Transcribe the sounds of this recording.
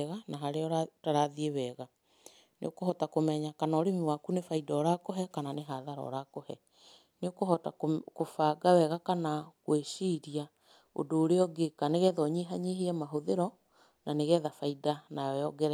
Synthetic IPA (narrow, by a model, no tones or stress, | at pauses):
ɣanaɦaɾeɔataɾaðiewɛɣa | nḛokohɔtakomɛɲakanaɔɾemiwakunefaidɔːɾakoɦɛkananeɦaðaɾɔ̰ɾakohɛ̰ | neokoɦɔtakofaːɡawɛɣakanakweʃiɾia | o̰doːɾeɔɡekaneɣɛːðɔɲeɦaɲeɦeɛmaɦoðeɾɔ | naneɣɛːðafaidanaɛɔɡɛɾ